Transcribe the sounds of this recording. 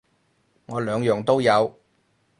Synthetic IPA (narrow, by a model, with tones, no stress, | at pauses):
ŋɔː˨˧lœː˨˧ŋjœː˨˩ŋt̪o˥wjɐ˨˧w